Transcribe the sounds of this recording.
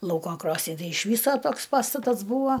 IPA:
ˈlˠɐʊkoː ˈkroːsʲnʲɪ ˈtɐɪ ɪʃ ˈʋʲiːsoː ˈtoːks ˈpɑːstɐtɐs ˈbuːʋoː

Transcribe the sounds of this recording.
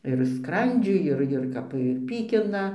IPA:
ɪr ˈskrɐnʲd͡ʒʲʊɪ ˈɪr ɪr ˈkɐp ɪr ˈpʲiːkʲɪnɐ

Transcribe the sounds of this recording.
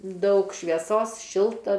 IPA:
ˈdɐʊk ʃʲʋʲiɛˈsoːs ˈʃʲɪlˠtɐ

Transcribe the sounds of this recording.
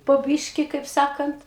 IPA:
poː ˈbʲiːʃʲkʲɪ kɐɪp ˈsɑːkɐnt

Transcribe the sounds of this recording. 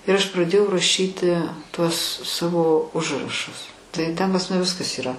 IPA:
ɪr ɐʃ prɐˈdʲeːjɛʊ rɐˈʃʲiːtʲɪ ˈtuɔs ˈsɑːʋoː ˈʊʒrɐʃʊs tɐɪ tʲɛn pɐs ˈmɑːnʲɛ ˈʋʲɪskɐs iːˈrɐ

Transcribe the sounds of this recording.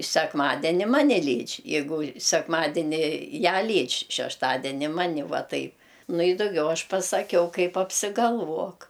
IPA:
sʲɛkˈmɑːdʲɛnʲɪ ˈmɑːnʲɛ ˈlʲiːt͡ʃʲ jɛɪˈɡʊ sʲɛkˈmɑːdʲɛnʲɪ ˈjæː ˈlʲiːt͡ʃʲ ʃʲɛʃˈtɑːdʲɛnʲɪ ˈmɑːnʲɪ ˈʋɑːˈtɐɪp ˈnʊ ɪ dʊˈɡʲɛʊ ˈɐʃ pɐsɐˈkʲɛʊ ˈkɐɪp ɐpʲsʲɪɡɐlˠˈʋuɔk

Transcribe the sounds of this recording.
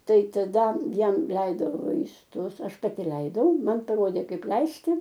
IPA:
ˈtɐɪ tɐˈdɐ ˈjɛm ˈlʲɛɪdoː ʋɐɪsˈtʊs ˈɐʃ pɐˈtʲɪ ˈlʲɛɪdɐʊ ˈmɐn pɐˈroːdʲeː ˈkɐɪp ˈlʲɛɪsʲtʲɪ

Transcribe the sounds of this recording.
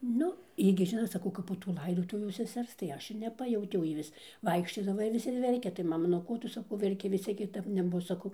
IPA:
ˈnʊ ˈjiː ɡʲɪ ˈʒʲɪnoːt sɐˈkɐʊ ˈkɐp poː tuː ˈlˠɐɪdoːtʊʋʲuː sʲɛˈsʲɛrs tɐɪ ˈɐʃ ɪr nʲɛˈpɑːjɛʊtʲɛʊ ˈjiː ʋʲɪs ˈʋɐɪkʃʲt͡ʃʲoːdɐʋɐ ɪr ˈʋʲɪs ɪr ˈʋʲɛrʲkʲɛ tɐɪ ˈmɑːmɐ nʊ ˈkoː ˈtʊ sɐˈkɐʊ ʋʲɛrʲˈkʲɪ ʋʲɪs ˈt͡sʲiɛk kʲɪˈtɐp nʲɛˈbʊs sɐˈkɐʊ

